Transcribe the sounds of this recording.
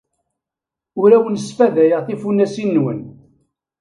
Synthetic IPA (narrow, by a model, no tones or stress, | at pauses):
ʊɾæwənəsfæðæjəʁθifunːæsinːwə̰n